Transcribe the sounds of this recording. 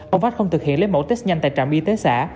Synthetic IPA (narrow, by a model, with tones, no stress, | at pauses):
ʔə˧˩wŋ͡mfaː˦˥t̚xə˧wŋ͡mt̪ʰɨ˨˩k̚hḭ˧˨ənle˨˦nmo̰˨˧˩t̪e˦˥k̚ɲa˧nt̪a̰ː˧˨jt͡ɕaː˧˨˩mɓi˧t̪e˨˦sa̰ː˧˥